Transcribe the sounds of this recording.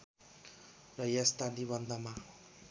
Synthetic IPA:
rʌjast̪aniβʌnd̪ʱʌma

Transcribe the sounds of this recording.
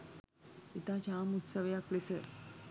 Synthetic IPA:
it̪at͡ɕamut̪səʋjaklesə

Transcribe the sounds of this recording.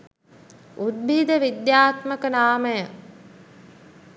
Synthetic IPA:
ud̪̚bʱid̪əʋid̪jaːt̪məkənaːməjə

